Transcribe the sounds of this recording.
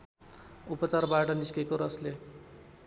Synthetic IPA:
upʌt͡sarbaʈʌniskekoɾʌsle

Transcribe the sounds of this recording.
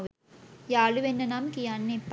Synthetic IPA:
jaːluʋenːɐnaːmkijanːepː

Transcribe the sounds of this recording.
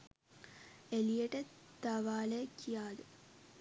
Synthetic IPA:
elijəʈət̪ɐʋaːlekijaːd̪u

